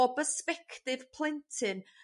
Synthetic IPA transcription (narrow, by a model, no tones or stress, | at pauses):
ɔbəspɛkʰtɪv̥pʰl̥ˠɪntʰɪn